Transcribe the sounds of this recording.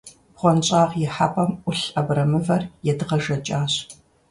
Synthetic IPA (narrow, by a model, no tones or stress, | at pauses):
χʷɔnt͡ɕʼaːʁjɛħapʼɐmʔʷʊɬɐbrɐmɨvɐrjɛdɨʁɐʒɐt͡ʃʼaːɕ